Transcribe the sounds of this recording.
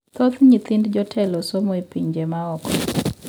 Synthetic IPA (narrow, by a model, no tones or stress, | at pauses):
t̪ɔt̪ɲit̪indd͡ʒɔtʰɛlɔsomɔepiɲd͡ʒemaɔkɔ